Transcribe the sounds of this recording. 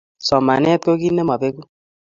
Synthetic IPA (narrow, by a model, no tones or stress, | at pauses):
sʌmanjʌt̪̚koɡitnʌmʱʌbeku